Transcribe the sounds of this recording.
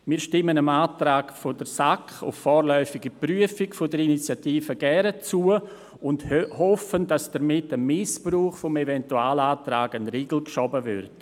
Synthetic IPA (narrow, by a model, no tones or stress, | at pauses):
miːɾʃtɪmənəmaːtɾaːkfodəɾsakχʊ̰ffɔːɾlœʏfɪɡəpryəfɪkfodəɾinit͡sjatiːfəɡ̥ɛɾət͡suə | ʊndhɔfəndasd̥əɾmɪtəmɪspruːχfʊmevɛntuaːlaːtɾaːɡənɾiːɡl̩kʃɔbəvʏ̰ɾt